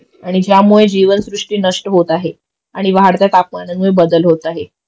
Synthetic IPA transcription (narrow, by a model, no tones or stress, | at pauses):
aɽ̃id͡ʑjamuɭed͡ʑiʋənsɾuʂʈiːnəʂʈəɦot̪aɦe | aɽ̃iʋaɦaɽt̪jat̪ap̚manəmuɭebəd̪əlɦot̪aɦe